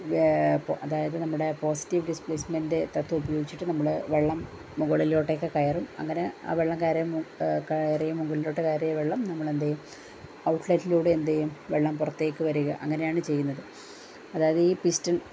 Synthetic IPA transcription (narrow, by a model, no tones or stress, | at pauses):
pɐðaːjɐðɨnɐmːuɽe̞po̞ːsi̥tːiʋɖispɭeːsmendet̪ɐt̪ːuubɐjo̞ːɡit͡ɕːiʈːɨnɐmːɐɭɨʋeɭːɐmː | uŋɡɐɭilo̞ːʈːekːɨkɐjɐrumɐ̰ŋːɐnea̰ːʋe̞ɭːɐmkajɾejmkjɐrejumːuŋɡoɭilo̞ːʈːekɐjɐɾejʋeɭːɐmnɐmːɐɭe̞nd̪ejum | ɐwuʈlɐjtːiluːɽeend̪ejumʋeɭːɐmpurɐt̪ːe̞ːkːɨʋɐɾuɣɐ̰ʔɐŋːɐne̞jaːɳɨt͡ɕe̞jːunːɐðɨ | ɐðaːjɐðɨiːpistɐn